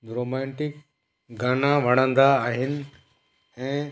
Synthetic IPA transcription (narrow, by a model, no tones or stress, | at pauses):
ɡɾoːmɛ̃ːɳʈɪk | ɡaːnaʋɐɽ̃ə̃nd̪aːɦɪnɪ̆ | ɛ̃ː